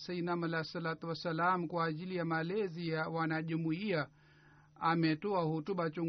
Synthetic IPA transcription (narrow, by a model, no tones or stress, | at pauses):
sainamalasalat̪uwasalamukwaːʄilijamalɛzijawanaʄumuia | amɛtɔahutuɓat͡ʃuŋ